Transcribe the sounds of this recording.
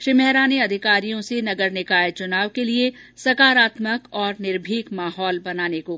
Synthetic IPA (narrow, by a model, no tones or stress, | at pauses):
ʃɾimɛɦɾaːneɐd̪ʱɪkaːɾijõsenɐɡəɾnɪkaːjt͡ʃʊnaːʋkelie | sɐkaːɾaːt̪məkɔːɾnɪɾbʱiːkmaːɦɔːlbɐnaːneko